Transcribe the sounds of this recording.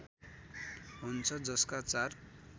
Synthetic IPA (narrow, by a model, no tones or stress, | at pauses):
ɦunt͡sʰʌd͡zʌskat͡sar